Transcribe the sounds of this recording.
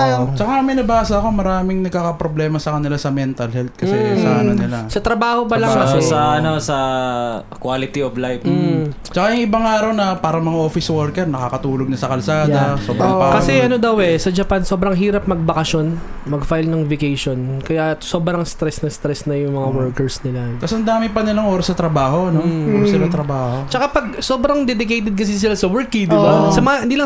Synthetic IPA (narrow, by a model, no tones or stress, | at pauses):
t͡ʃɐkamɪnɐbaːsɐɐko̞mɐɾaːmɪŋnɐɡ̚kaːkɐpɾoblɛːmɐsɐkɐnɪlasɐmɛnt̪ɐlhɛlt̪̚kɐmsɛsanɐnɪlasɐt̪ɾɐbaːhopɐlaŋkɐsɛɐɐnosɐ | kwalɪt̪ioblajp̩ː | t͡ʃɐkajʊŋʔɪbaŋaːɾɐwnɐpaːɾɐmɐŋaʔoːfɪswɛɹkɛɾnɐkaːkɐt̪uːloɡ̚nɐsɐkɐlsaːjd̪ɐsoːbɾɐkɐsɛʔɐno̞d̪ɐwɛsɐd͡ʒɐpanso̞ːbɾɐŋɦiːɾɐp̚mɐɡ̚bɐkɐʃo̞n | mɐɡfajlnɐŋvɪkejʃo̞nkɐjaso̞ːbɾɐŋst̪ɾɛsnɐst̪ɾɛsnɐjʊŋmɐŋawɛɹkɛɹsnɪlat̪ɐsɐnd̪aːmɪŋpɐnɪlɐŋʔoːɾɐsnɐt̪ɾɐbaːɦo̞nooɾsɪlat̪ɾɐbaːhot͡ʃɐkapɐɡ̚so̞ːbɾɐŋd̪ɛd̪ɪkejt̪ɛd̪̚kɐs̬is̬ɪlasɐwɛɹkɪŋd̪ɪbasɐmɐŋaɪnd̪iːlɐ